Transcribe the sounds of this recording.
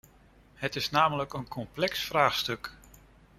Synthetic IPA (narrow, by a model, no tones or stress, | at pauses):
hətɪsnaːmələkənkʰɔmplɛksfraːχstɵk